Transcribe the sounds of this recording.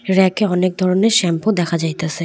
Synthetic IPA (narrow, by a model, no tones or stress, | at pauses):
ɾɛkeɔnek̚d̪ʱɔɾoneɾʃɛmpod̪ɛkʰad͡ʑajt̪asʰe